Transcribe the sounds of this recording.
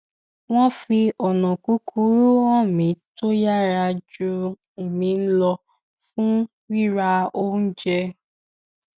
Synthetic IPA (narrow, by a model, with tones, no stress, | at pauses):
w̃ɔ̃˦fi˧ɔ˨nɔ̃˨ku˨˦kʰu˨˦ɾu˦ã˦˨mĩ˨˦to˦ja˦˨ɾa˧d͡ʒu˧ | e˨mĩ˧˦n̩˦lɔ˧ | fũ˦ | wi˦ɾa˧o˦n̩˦d͡ʒɛ˧